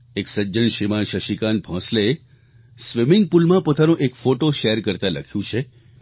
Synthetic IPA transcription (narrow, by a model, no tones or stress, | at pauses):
eksəd͡ʒənʃimanʃəʃikanbʱɔ̃slee | sʋɪmɪŋɡ̚pulmãpot̪anũʔekfoʈoʃeɾkəɾt̪alə̰kʰjũt͡ʃʰe